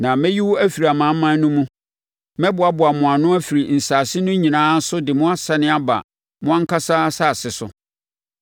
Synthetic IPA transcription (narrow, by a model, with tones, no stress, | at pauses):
nã˨mɛ̃˦ji˦wɔ˦æ˦fi˨ɾi˨a˨mã˨˦mã˦nː˦ʊ̃˦mũ˦ | mɛ̃˦bʊ˨a˨bʊ˨a˨mʊ̃˨a˨nʊ̃˦æ˦fi˨ɾi˨n̩˨saː˨sɪ˦nʊ̃˦ɲĩ˨nãː˦n̩˦sʊ˦dɪ˨mʊ̃˦a˦sa˨nɪ̃˦a˦ba̰˨ | mʊ̃˦ã˦ŋ̩˦kʰa˦sa˦sa˦˨sɪ˨sʊ̰˨